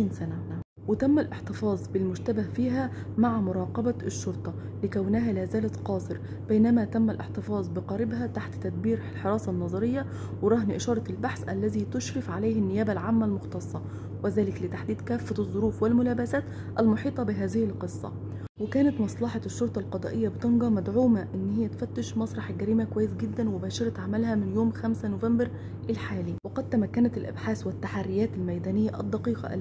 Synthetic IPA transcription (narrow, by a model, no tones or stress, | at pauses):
iːnsænæ | wɪt̪æmːælʔɪħt̪ɪfɑːzˤbɪlmʊʒt̪æbahfiːɦæ | maʕmʊɾˤɑːqɑbæɪʃːʊɾt̪ˤɑ | lɪkæwnæɦæːlæːzæːlæt̪qɑːsˤɨɾ | b̥ejnæmæt̪æmːælʔɪ̰ħt̪ɪfɑːzˤbɪqɑɾɪbɦæt̪aħt̪ːæd̪̚biːɾlħɑɾˤɑːsɑnːɑzˤɑɾɪjːæ | wɪɾˤɑɦnʔɪʃɑːɾˤɑɪlbaħsʔælːæziːt̪ʊʃɾɑfʕaleːhɪnːɪjæːbælʕaːmːælmʊxt̪ɑsˤːɑ | wɪzæːlɪklɪt̪aħd̪iːd̪kæːfːæzˤːoɾuːfwɪlmʊlæːbæsæːt̪ | ʔælmoħiːt̪ˤɑbɪɦæːzɪhɪlqɨsˤːɑ̰ | wɪkæːnæt̪mɑsˤlɑħɑʃːoɾt̪ˤɑlqɑd̪ˤɑ̰ːʔejːæbɪt̪ɑnɡɑmæd̪ʕuːmæʔɪnːhɪjːæt̪fæt̪ːɪʃmɑsˤɾˤɑħlɡæɾiːmækowæjːɪsɡɪd̪ːænwɪbæːʃɑɾˤɑt̪ʕamælhæmɪnjoːmxæmsænovæmbɪɾ | ʔɪlħaːliːwɑqɑd̪̚t̪ːæmækːænæt̪ɪlʔæ̰bħaːswɪt̪ːaħarːɪjæːt̪ɪlmæjd̪æːnɪjːæʔɑ̰d̪ˤːɑqiːqɑ̰ʔæ̰